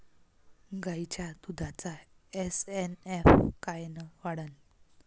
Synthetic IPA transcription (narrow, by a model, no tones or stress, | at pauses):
ɡajt͡ɕjad̪ud̪ʱat͡saesenefkajnəʋaɽən